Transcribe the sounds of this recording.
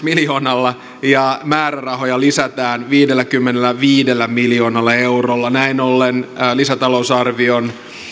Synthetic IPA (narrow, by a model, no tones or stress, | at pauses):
miljoːnɑlːɑ | jɑmæːrærɑɦo̞jɑlisæt̪æːnʋiːdelːækymːenelːæʋiːdelːæmiljo̞ːnɑlːɑe̞urolːɑnæinolːenːlisæt̪ɑlousɑrʋion